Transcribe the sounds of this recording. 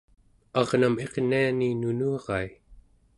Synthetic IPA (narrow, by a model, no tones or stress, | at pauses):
ɑʁname̞qnianinunuɑʁɑi